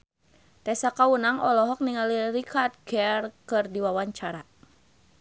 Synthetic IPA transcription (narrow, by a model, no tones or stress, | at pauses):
t̪ɛsakaunaŋɔlɔɦɔk̚niŋalirikʰart̪̚ɡɛrkɨrdiwawaɲt͡ʃaɾa